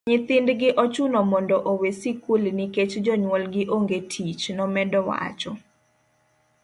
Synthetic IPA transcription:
ɲɪt̪ɪndɡɪʔɔt͡ʃʊnɔmɔndɔʔowesikwulniket͡ʃd͡ʒɔɲwɔlɡɪʔoŋɡetʰit͡ʃnɔmɛdɔwa̰t͡ʃɔ

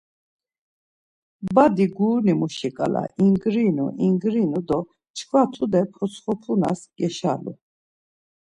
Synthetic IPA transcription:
bad̪iɡuːɾnimuʃikʼala̰iŋɡɾinṵʔiŋɡɾinud̪ɔ | t͡ʃʰkʰvat̪ʰud̪ɛpʰɔt͡sʰχɔpʰuna̰sɡɛʃalṵ

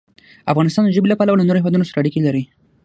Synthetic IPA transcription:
afɣɑnɪst̪ɑnd̪əʒəbelapalawalanoɾohewɑd̪unosaɾaːɽikelaɾi

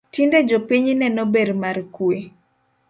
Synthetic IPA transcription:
tinded͡ʒopiɲnɛnobeɾmaɾkwe

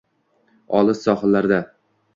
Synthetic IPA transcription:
ɒlˠɪsɒχalaɾd̪a

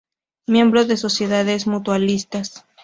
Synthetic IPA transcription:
mje̞mbɾo̞ðe̞so̞sje̞ðaðe̞zmut̪walist̪as

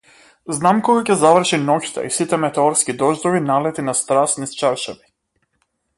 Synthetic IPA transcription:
znamkɔɡacɛzavr̩ʃinɔct̪a̰isit̪ɛmɛt̪ɛɔɾskid̪ɔʒd̪ɔvinalɛt̪inast̪ɾasnist͡ʃaɾʃavi

